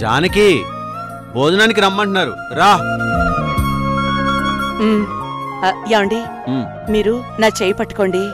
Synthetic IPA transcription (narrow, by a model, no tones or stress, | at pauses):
d͡ʒa̰ːnɐki | boːd̪unaːnik̬iɾɐmːɐɳʈunaːɾṵ | ɾaː | m | jaːwɐɳɖi | miːɾunaːt͡ʃeːjpɐʈːu̥koːɳɖi